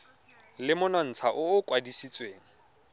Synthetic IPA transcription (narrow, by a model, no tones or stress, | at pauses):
lɪmʊnɔn̩t͡sʰaʔʊːkʼwadisit͡sʼweːŋ̩